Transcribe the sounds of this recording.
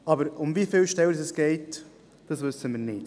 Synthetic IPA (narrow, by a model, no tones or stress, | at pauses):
ɑbəɾʊmvifɪlʃtɛlsɛsɡ̥ɛɪt | d̥ɑsʋʏsːəmiːɾnɪd̥